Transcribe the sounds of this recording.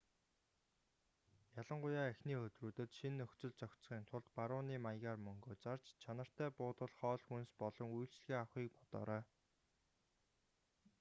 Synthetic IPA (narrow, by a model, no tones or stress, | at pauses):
jaɮə̆ɴɢʊjaːæxniːxɵt̪ruːt̪ɘ̆t̪ʃinːɵxt͡sɵ̆ɮt͡sœkt͡sχiːnt̪ʰʊɮt̪paɾʊːniːmajɣaːrmɵŋɡoːt͡sar̥t͡ɕt͡ɕʰanə̆r̥t̪æːpʊːt̪ə̆ɮχɔːɮxunspɔɮɞ̆ŋuj̆ɬt͡ɕɮɣiːawχiːk̚pɔ̥t̪ɔ̰ːɾœː